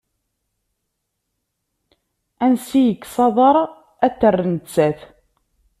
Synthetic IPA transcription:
ænsijəkːsˤɑðˤɑɾˤ | æt̪ːərːənt͡sːæθ

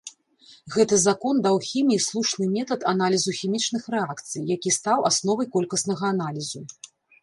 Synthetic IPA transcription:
ɣɛt̪ɐzakɔnd̪awxʲimʲijislˠuʂnɨmʲɛt̪ɐt̪analʲizuxʲimʲit͡ʂnɨxrɛakt̪sɨjːakʲist̪awʔa̰snɔvɐjkɔlʲkɐsnɐɣɐːnalʲizu

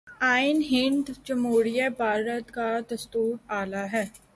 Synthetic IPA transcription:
aːɪnɦɪ̃ɳd̪d͡ʒɐmoːɽijabʱaːɾət̪kad̪ɐst̪uːɾaːlaɦɛː

